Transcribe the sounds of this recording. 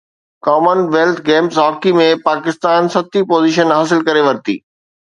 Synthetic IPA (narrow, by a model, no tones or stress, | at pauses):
kɔːmənʋeːlt̪ʰɡeːmsɦɔːkimẽpaːkɪst̪aːnsɐt̪ipoːziːʃ̬ənɦaːsɪlkɐɾeʋɐɾt̪ḭː